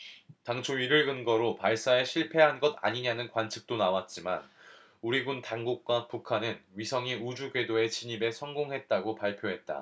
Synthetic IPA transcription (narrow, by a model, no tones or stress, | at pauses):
taŋt͡ɕʰoɥiɾɯɭɡɯnɡʌɾopaɭs͈aeɕʰiɭpʰe̞ɦanɡʌda̰ɲiɲanɯnkwant͡ɕʰi̥k̚t͈onawat̚t͡ɕ͈ima̰n | uɾiɡuntaŋɡuk̚k͈wapukʰanɯnɥisʰʌŋiud͡ʑuɡɥe̞doe̞t͡ɕiɲibe̞sʰʌŋɡoŋɦe̞t̚t͈aɡopaɭpʰjoɦe̞t̚t͈a̰